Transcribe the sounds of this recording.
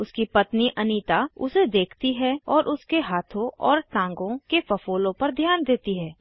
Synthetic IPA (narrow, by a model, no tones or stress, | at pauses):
ʊskipɐt̪niʔɐniːt̪aʊsed̪eːkʰt̪iɦɛɔːɾʔʊskeɦaːt̪ʰõʔɔːɾʈãːŋɡõkefɐfoːlõpɐɾd̪ʱjaːnd̪eːt̪iɦɛː